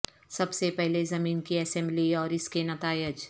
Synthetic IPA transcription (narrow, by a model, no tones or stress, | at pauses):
sɐbsepɛɦlezɐmiːnkiɛsɛ̃mbliɔːɾɪskenɐt̪aːjɪd͡ʒ